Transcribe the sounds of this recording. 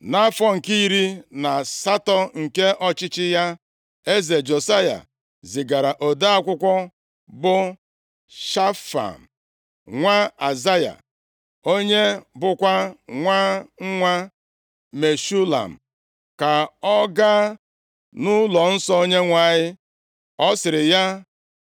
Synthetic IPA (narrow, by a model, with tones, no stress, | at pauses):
na˦fɔ˦ŋ̩˨ki˦i˦ɾi˦na˨sa˦tɔ˨ŋ̩˨ke˦ʔɔ˦t͡ʃɪ˦t͡ʃɪ˦ja˦ | e˦ze˨d͡ʒo˨sa˦ja̰˨ | zɪ˨ɡa˨ɾa˨ʔo˨da˦a˦kʷʊ˦kʷɔ˦ | bʊ˦ | ʃa˦fa̰˨m̩˨ | ŋʷa˦a˨za˦ja̰˨ | o˦ɲe˦bʊ˦kʷa˦ŋʷaː˦ŋ̩˦ŋʷa˦ | me˨ʃu˦la̰˨m̩˨ | ka˨ɔ˦ɡa˦ | nʊ˦lɔ˨n̩˦sɔ˦o˦ɲe˦ŋʷa˦˨ɲɪ˦ | ɔ˦sɪ˨ɾɪ˨ja˦